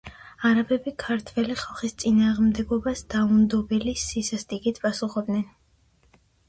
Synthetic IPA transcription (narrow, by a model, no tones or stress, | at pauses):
aɾabɛbikʰaɾt̪ʰvɛliχalˠχist̪sʼinaːʁmd̪ɛɡɔbasd̪̥aund̪ɔbɛlisisast̪ʼiɡit̪ʰpʼasuχɔb̚d̪nɛn